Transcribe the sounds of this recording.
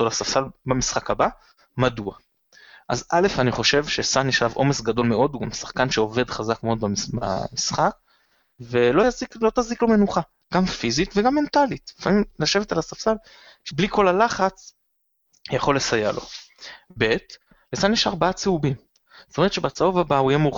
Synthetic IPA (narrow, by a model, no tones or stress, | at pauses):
tolasafsalbamisχakaba | madua | ʔa̰zʔale̞faniχo̞ʃe̞vʃesanjɛʃalavʔo̞me̞sɡado̞lmeo̞d̪uɡamsḁχkanʃeo̞ve̞d̪χazakmeo̞d̪̚baba̰misχak̚ | ve̞loziklo̞t̪aziklo̞me̞nuχa | ɡ̥amfizitveɡamːent̪alit̪lifamimlaʃe̞vetalasafsal | ʃebliko̞lalaχat͡s | jaχo̞lːesajalo̞̰be̞t | lesanjeʃaʁbaat͡seubim | zotome̞tt͡ʃʃe̞bat͡saovabaujemuχ